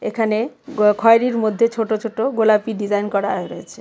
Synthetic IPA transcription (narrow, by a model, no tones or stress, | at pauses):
ekʰane | kʰɔeɾiɾmod̪ʱːet͡ɕʰoʈot͡ʃʰoʈoɡolapiɖid͡ʑajnkɔɾaɦeɾɔet͡ɕʰe̥